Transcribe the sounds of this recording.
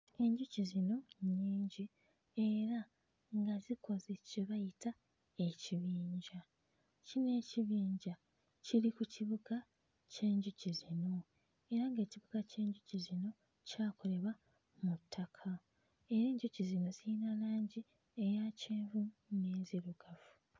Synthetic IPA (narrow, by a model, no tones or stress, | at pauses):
e̞ɲɟucizino̞ɲiːɲɟi | e̞ɾa | ŋɡazikʰo̞zeciβajitʰa | e̞ciβiːɲɟa | cine̞ːciβiːɲɟa | ciɾikuciβuɡa | ce̞ːɲɟucizino̞ | e̞ɾaŋɡe̞ːciβuɡace̞ːɲɟucizino̞ | caːkʰo̞le̞βa | mutʰːakʰa | e̞ɾe̞ːɲɟucizino̞ziinalaːɲɟi | ejaceːɱvuneːziɾuɡ̥avu